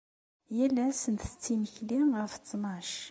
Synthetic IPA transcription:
jælːæsənt̪ə̥t͡sːiməçlinʁəft͡sːmɑʃ

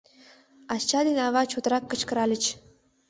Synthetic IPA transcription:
ɑst͡ɕɑd̪enɑβɑt͡ɕʰut̪ɾɑkːə̆t͡ɕkə̆ɾɑlʲɘ̆t͡ɕ

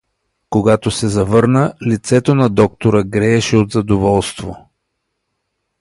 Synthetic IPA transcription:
koɡat̪osɛzɐvɤɾnəlit̪sɛt̪onɐd̪ɔk̚t̪oɾəɡɾɛːʃɛod̪zɐd̪ovɔlˠst̪vo

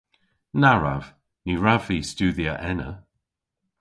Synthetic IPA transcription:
naɹa̰v̥ | niɹaviːstuːðiəʔɛnə̰

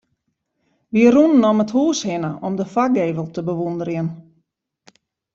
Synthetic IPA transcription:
ʋiərunənɔməthuːshɪnəʔɔmdəfaɡeːvəlˠtəbəʋundəɾjən

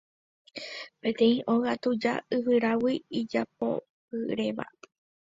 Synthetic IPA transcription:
pẽ̞t̪ẽ̞ĩʔo̞ɣat̪ud͡ʒa̰ɨʋɨɾawiid͡ʒap̚o̞̰ | kɨɾe̞ʋa̰

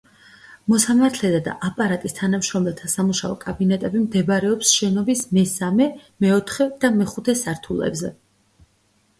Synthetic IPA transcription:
mɔsamaɾt̪ʰlɛd̪ad̪a̰ʔapʼaɾat̪ʼist̪ʰanamʃɾɔmɛlt̪ʰasamuʃaɔ̰kʼabinɛt̪ʼɛbimd̪ɛbɾɛɔpsʃɛnɔbismɛsamɛmɛɔt̪ʰχɛd̪̥amɛχut̪ʰɛsaɾt̪ʰulɛ̰bzɛ̰

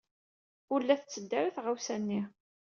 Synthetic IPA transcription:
ʊlːæθət͡sːəd̪ːæɾaθʁawsænːi

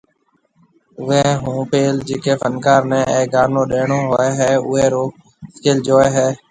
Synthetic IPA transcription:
ʊʋẽːɦũːpeːld͡ʒeːkeːpʰənkaːɾnɛ̃ːeːɡaːnõːɗeːɳõːɦoːeːɦɛːʊẽːɾoː | skeːld͡ʒoːeːɦɛː

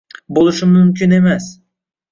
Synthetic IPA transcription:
bolˠuʃumymcʲyne̞mæs

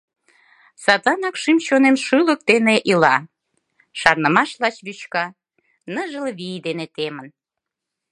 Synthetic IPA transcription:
sɑzɑnɑkʃimɕonenʃɯlək̚d̪eneʔilɑ | ʃɑrnəmɑʃlɑt͡ɕβyt͡ɕkɑ | nəʒəlβid̪enet̪emən

